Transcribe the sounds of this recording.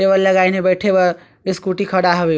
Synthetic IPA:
eβʌllʌɡajnebʌjʈʰebʌ | eskuʈikʰʌɽaɦʌbe

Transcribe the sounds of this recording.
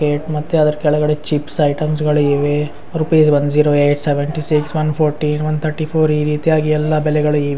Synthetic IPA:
keːʈmɐt̪ːeɐd̪ɐɾkɛɭɐɡɐɽet͡ʃipsɐjʈɐms̬ɡɐɭuiʋe | ɾupiːsbɐnd͡ʒiːɾoːeːʈseʋeɳʈisiksʋɐnpʰoːɾʈinʋɐnt̪ʰɐɾʈipʰoːɾiːɾiːt̪ijaːɡiɛlːɐbɛlɛɡɐɭuiːʋe

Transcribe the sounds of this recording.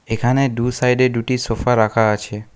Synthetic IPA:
ekʰaneɖusajɖeɖuʈisofaɾakʰaət͡ʃʰe

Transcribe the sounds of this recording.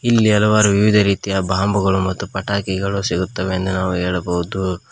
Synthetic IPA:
ilːiɐlɐʋaːɾuʋiʋid̪ʱɐɾiːt̪ijɐbʱaːmbuɡɐɭumɐt̪ːupɐʈaːkiɡɐɭusiɡut̪ːɐʋeːnd̪unaːʋuɦeːɭɐboʋud̪u

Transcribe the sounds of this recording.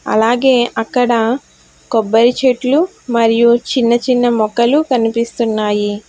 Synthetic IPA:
ɐ̰laːɡeːʔɐkːɐɽɐ | kɔbːɐɾit͡ʃeʈlu | mɐɾijut͡ʃinːɐt͡ʃinːɐmɔkɐlukɐnipist̪unːaːji

